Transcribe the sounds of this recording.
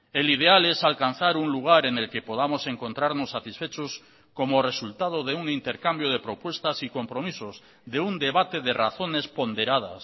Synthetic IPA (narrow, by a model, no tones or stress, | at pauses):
elið̞ealesalkan̟θaɾuŋluɣ̞aɾenelkepoðamoseŋkont̪ɾaɾnosːat̪isfet͡ʃos | komoresult̪að̞oðeuŋint̪eɾkambjoð̞epɾopwe̞st̪asiko̞mpɾomisoz | ðeund̪eβat̪eðera̰θonespond̪eɾað̞a̰s